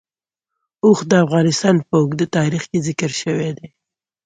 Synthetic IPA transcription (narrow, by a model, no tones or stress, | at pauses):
oxd̪əafɣɑnɪst̪ɑnpəʊɡd̪ət̪ɑɾixkezɪkəɾʃəwed̪e